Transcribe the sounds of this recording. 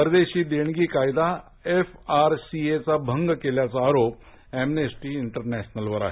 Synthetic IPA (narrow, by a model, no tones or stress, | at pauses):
pəɾd̪eɕiːd̪eɳ̃ɡiːkajd̪a | efaɾsiet͡sabʱəŋɡkeljat͡saːɾop | emnesʈiːiɳʈəɾnɛɕnəlʋəɾa̰ɦe